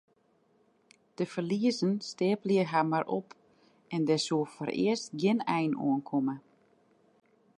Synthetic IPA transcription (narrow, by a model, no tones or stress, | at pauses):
d̥əfərliəzənsteːpljəɦamarʔɔp | ɛndɛsuəfɔ̰rɪ̰əstɡjɪnɛjnṵənkʰomə